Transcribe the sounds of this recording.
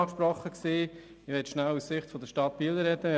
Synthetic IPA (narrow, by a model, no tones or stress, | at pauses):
kʃpɾɔχːəksiː | ɪʋɛtʃnælussɪχtfɔd̪əʃtɑt̪̚piːləɾɛd̪ə